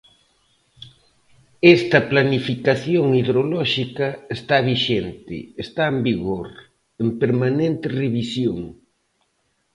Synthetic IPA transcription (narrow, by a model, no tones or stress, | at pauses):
ɛst̪ɐplanifikaθjoŋiðɾolɔʃikɐest̪aβiʃent̪ɪ̰est̪aembiɣoɾ | empeɾmanent̪ɪreβisjoŋ